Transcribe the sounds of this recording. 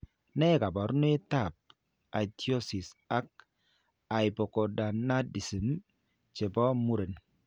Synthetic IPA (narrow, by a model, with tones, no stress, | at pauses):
nɛ˦ka˨bɔ˨ɾn˦e˦ta˦˨p̚ | a˨tjo˦si˨sa˦k̚ | a˨jbɔ˨ko˨da˨nnːa˦di˨si˨m | t͡ʃe˨bɔ˦mu˦ɾe˨n